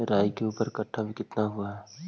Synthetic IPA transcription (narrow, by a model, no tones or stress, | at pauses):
ɾaːjkeuːpəɾkəʈʰːabʱikɪt̪naɦuaɦɛː